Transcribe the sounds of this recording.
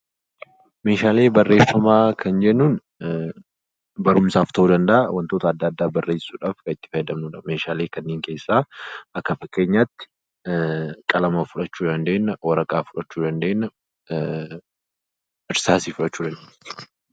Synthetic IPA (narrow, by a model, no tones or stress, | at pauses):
me̞ːʃaːle̞ːbɐrːe̞ːfːɐmaːkʰɐnd͡ʒɛʔnːuːn | bɐɾʊmsaːft̪ɐhuːd̪ɐnd̪ɐʔɐwʔɐnt̪oːt̪ɐːd̪ːaːd̪ːaːbɐrːe̞ːsuːᶑaːfkɐɪt̪ːɪ̥fɐjd̪ɐmnuːᶑɐmeːʃaːleːkɐnːeːŋkeːsːaːʔɐkːɐfɐkːe̞ːɲːaːt̪ːɪ̥ | kʼɐlɐmɐfʊᶑɐt͡ʃːuːd̪ɐnd̪e̞ːnːɐwɐɾɐkʼaːfʊᶑɐt͡ʃːuːd̪ɐnd̪e̞ːnːɐ | ɪɾsaːsiːfʊᶑɐt͡ʃːuːd̪ɐnd̪eː